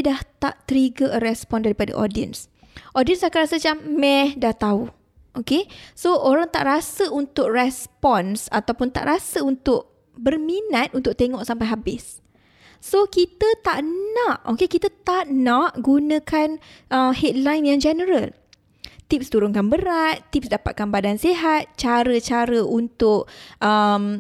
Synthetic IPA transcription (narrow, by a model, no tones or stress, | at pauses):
daht̪a̰ʔt̪əɾiɡəʔəɾɛspɔndaɾipada̰ʔo̰diə̰ns | ʔɔdiənsakanɾasət͡ʃamːɛhdaht̪au | ʔokesooɾaŋt̪a̰ʔɾasəunt̪ʊk̚rɛspɔnsat̪awpʊnt̪a̰ʔɾasəunt̪ʊʔ̚ | bərmĩnat̪̚ʔunt̪ʊk̚t̪eŋɔʔsampajɦabɪsː | okit̪ət̪aʔnãʔokekit̪ət̪aʔnãʔɡunə̃kanʔəmhɛt̪̚lajnjaŋd͡ʒɛnəɾəl | t̪ip̚st̪uɾʊŋkanbəɾat̪ːipsdapa̰t̪̚kanbadanseɦat̪̚t͡ʃaɾət͡ʃaɾəʔunt̪ʊʔʔəm